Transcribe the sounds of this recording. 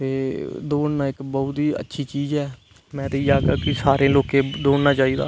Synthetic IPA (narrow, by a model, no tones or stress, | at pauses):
t̪eːd̪oːɳnaːɪkbɔːʊt̪iːə̰tːʃʰiːt͡ʃiːzɛː | mɛ̃ːt̪əiːd͡ʒaːɡaːkɪsaːɾẽːloːkẽːd̪oːɳnaːt͡ʃaːiːd̪a̰ː